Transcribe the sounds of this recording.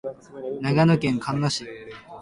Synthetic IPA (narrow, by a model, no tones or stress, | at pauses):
naɡanɯkẽŋkʰãnːoɕi